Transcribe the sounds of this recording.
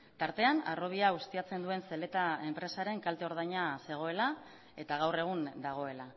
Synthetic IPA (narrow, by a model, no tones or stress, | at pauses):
t̪aɾt̪e̞ana̰ro̞β̞iaust̪iat͡se̞nd̪ue̞nse̞le̞t̪ae̞mpɾe̞saɾe̞ŋkalt̪eo̞ɾð̞ajɲase̞ɣ̞o̞e̞la | e̞t̪aɣ̞awre̞ɣ̞und̪aɣ̞o̞e̞la